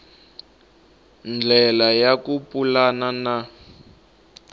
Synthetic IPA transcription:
nd͡ɮʱɛlajakupulanana

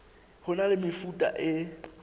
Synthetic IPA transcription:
hʊnalɪmɪfutʼa̰ʔɪ

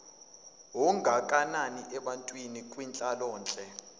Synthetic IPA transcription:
ɦɔŋɡʱakʼananiʔɛɓantʼwinikʼwint͡ɬʼalɔːnt͡ɬʼɛ

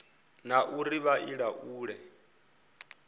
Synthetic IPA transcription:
naʔuɾiβaʔiɺaʔuːɺɛ

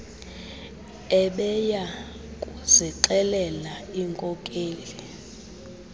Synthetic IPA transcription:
ɛɓɛja | kʼuziǀɛlɛlaiŋkʼɔkʼeːli

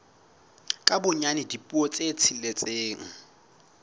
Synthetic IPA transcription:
kʼabʊɲanɪdipʼuɔt͡sʼet͡sʰilet͡sʼeːŋ̩

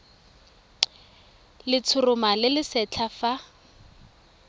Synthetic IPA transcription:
lɪt͡sʰʊrʊmalɪlɪsɛt͡ɬʰafa

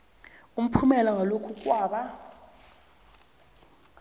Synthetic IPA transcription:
um̩pʰumɛlawalokʰuk̬ʼwaːɓa

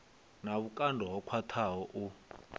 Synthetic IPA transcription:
naβukʼandʱɔɦɔkʰwatʰaɦɔʔu

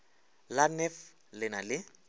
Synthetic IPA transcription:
lanɛf | lɪnalɪ

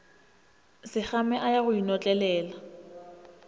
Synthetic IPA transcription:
sɪk͡xamɛʔajaɣʊinɔt͡ɬʼɛlɛːla

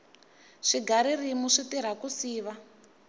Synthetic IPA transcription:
ʂiɡʱaɾirimuʂitiɾ̤akusiːʋa

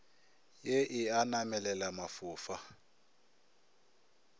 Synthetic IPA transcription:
jeʔɪanamɛlɛlamafʊːfa

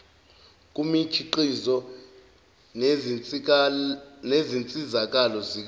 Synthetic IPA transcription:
k̬ʼumit͡ʃʰiǃizɔ | nezint͡sʼizak̬alɔzik̬

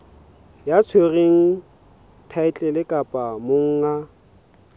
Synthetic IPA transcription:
jat͡sʰwereŋ̩ | tʰaɪt͡ɬʼɛlɪkʼapʼamoŋ̩ŋa

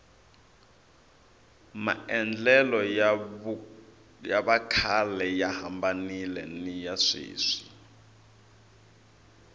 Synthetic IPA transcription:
ma̰ɛnd͡ɮɛlɔ | jaβakʰalɛjahambanilɛ̰nijaʂḭːʂi̥

